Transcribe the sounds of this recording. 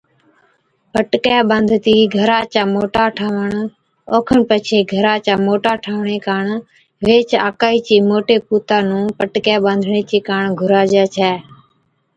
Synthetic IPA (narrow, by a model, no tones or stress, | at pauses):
pəʈkjaːɓãːnd̪ʱt̪iːɡʱəɾaːt͡ʃaːmoːʈaːʈʰaːʋəɳ | oːkʰəɳpət͡ʃʰeːɡʱəɾaːt͡ʃaːmoːʈaːʈʰaːʋɳeːkaːɳ | ʋeːt͡ʃa̰ːkaːiːt͡ʃiːmoːʈeːpuːt̪aːnũːpəʈkjaːɓãːnd̪ʱɳeːt͡ʃeːkaːɳɡʱʊɾaːd͡ʒaːt͡ʃʰɛː